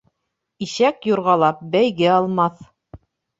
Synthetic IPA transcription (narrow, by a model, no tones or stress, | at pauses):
iʃækjuɾʁɑlˠɑp̚bæjɡɘɑlˠmɑθ